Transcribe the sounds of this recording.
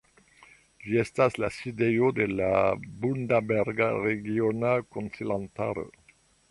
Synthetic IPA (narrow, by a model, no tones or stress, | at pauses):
ʒiest̪aslasid̪eod̪elabund̪abeɾɡa̰ʁeɣjonakonsilant̪a̰ɾ̰